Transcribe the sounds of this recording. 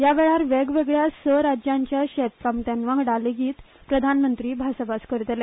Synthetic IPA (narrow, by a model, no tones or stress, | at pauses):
jaʋeɭaɾʋeɡʋeɡɭjasəɾad͡ʑjãɲt͡ɕjaɕɛt̪̚kamt̪janʋaɡɽaleɡiːt̪ | pɾəd̪ʱanmənt̪ɾiːbʱasəbaskəɾt̪le